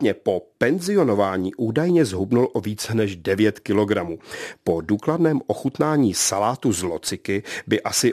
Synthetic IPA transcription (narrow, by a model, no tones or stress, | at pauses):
ɲɛpo̞pɛnzɪo̞no̞vaːɲiːʔuːdajɲɛzɦubnulʔo̞viːt͡sɛnɛʒdɛvjɛt̪kɪlo̞ɡɾamuːpo̞duːkladnɛːmʔo̞xut̪naːɲiːsalaːt̪uzlot͡sɪkɪbɪʔasɪ